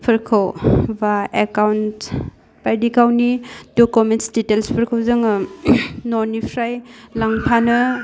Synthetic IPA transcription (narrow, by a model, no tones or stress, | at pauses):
pʰɐɾkʰawbaekawnt | pajdikawnidokumentsditelspʰɐɾkʰawzɯŋ | noɾnipʰɾajlaŋpʰanɯ